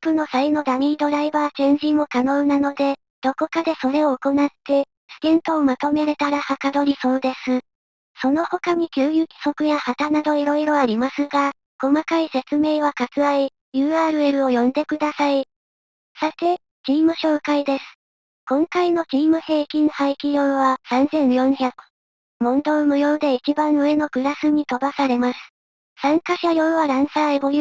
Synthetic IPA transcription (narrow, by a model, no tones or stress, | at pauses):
pɯ̟no̞saino̞d̪amʲiːd̪o̞ɾaibaːt͡ɕẽ̞ɲʑimo̞kano̞ːnano̞d̪e̞ | d̪̥o̞ko̞kad̪e̞so̞ɾe̞o̞ːko̞nat̪ːe̞ | st̪ẽ̞nt̪o̞ːmat̪o̞me̞ɾe̞t̪aɾahakad̪o̞ɾʲiso̞ːd̪e̞sɨ | so̞no̞ho̞kaɲ̟ikʲɨːjɯkʲi̥so̞kɯ̟jahat̪anad̪o̞iɾo̞iɾo̞aɾʲimasɨɡa | ko̞makaise̞t͡sɨme̞ːβ̞akat͡sɨai | jɯ̟ːaːɾɯ̟e̞ɾɯ̟o̞jõ̞nd̪e̞kɯ̟d̪asai | sat̪e̞ | t͡ɕiːmɯ̟ɕo̞ːkaid̪e̞sɨ̥ | kõ̞ŋkaino̞t͡ɕiːmɯ̟he̞ːkʲĩɰ̃haikʲijo̞ːβasãnzẽ̞ɰ̃jõ̞ɰ̃çakɯ̟̥ | mõ̞nd̪o̞ːmɯ̟jo̞ːd̪e̞it͡ɕibãɰ̃ɯ̟e̞no̞kɯ̟ɾasɨɲ̟it̪o̞basaɾe̞masɨ̥ | sãŋkaɕajo̞ːβaɾãɰ̃saeboj